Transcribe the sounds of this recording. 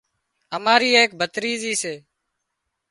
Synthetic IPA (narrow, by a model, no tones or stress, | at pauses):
əmaːɾiːeːk̚bʱət̪ɾiːziːseː